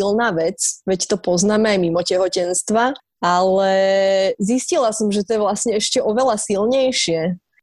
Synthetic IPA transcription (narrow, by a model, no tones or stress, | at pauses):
ilnaːʋɛt͡sʋɛct̪ɔpɔznaːmɛajmimɔcɛɦɔcɛnst̪ʋa | alɛziscilasɔmʒɛt̪ɔjɛʋlasɲɛɛʃcɛʔɔʋɛlasilɲɛjʃɪɛ